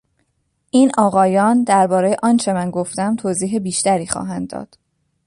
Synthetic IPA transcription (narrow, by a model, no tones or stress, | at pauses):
ʔiːnʔɒːɣɒːjɒːnd̪æɾbɒːɾejeʔɒːnt͡ʃʰe̞mænɡoft̪æmt̪ʰoːziːɦebiːʃt̪æɾiːxɒ̰ːɦænd̪ːɒ̰ːd̪̥